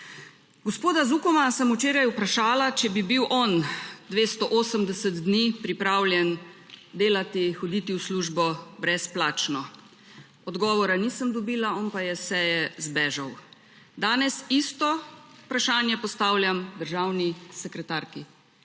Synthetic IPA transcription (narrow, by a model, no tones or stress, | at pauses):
ɡɔspoːd̪azukɔmasəmut͡ʃeːɾajupɾaʃaːlat͡ʃɛbibiwʔɔnd̪ʋeːst̪ɔʔoːsəmd̪ɛsət̪d̪niːpɾipɾaːwlʲjɛn | d̪eːlat̪ixɔd̪iːt̪iwsluːʒbɔbɾɛsplaːt͡ʃnɔ | ɔd̪ɡɔːʋɔɾaniːsəmd̪ɔbiːlaɔːnpajɛsɛːjɛzbɛːʒaw | d̪aːnɛsist̪ɔpɾaʃaːnjɛpɔst̪aːwlʲjamd̪əɾʒaːwnisɛkɾɛt̪aːɾki